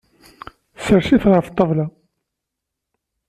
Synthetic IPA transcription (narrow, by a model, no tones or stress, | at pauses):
səɾʃiθʁəft̪ˤːəvˤlɑ